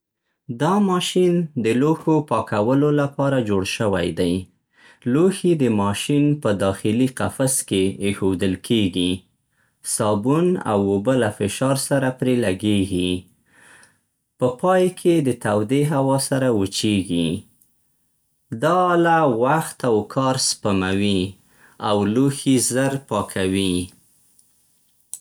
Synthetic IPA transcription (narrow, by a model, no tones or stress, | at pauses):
d̪ɑmɑʃind̪əloxopɑkawəlolapɑɾad͡ʒoɽʃəwa̰jd̪aj | loxid̪əmɑʃinpəd̪ɑxɪliqafaskeexod̪əlkʰeɡi | sɑbuna̰wobəlafɪʃɑɾsaɾapɾelaɡeɡi | pəpɑjkʰed̪ət̪awd̪eɦawɑsaɾawət͡ʃeɡi | d̪ɑlawaxt̪awkʰɑɾspamawi | awluxizəɾpɑkʰawi